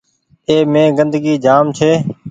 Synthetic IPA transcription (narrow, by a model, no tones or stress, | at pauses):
eːmẽːɡənd̪əɡiːd͡ʒaːmt͡ʃʰeː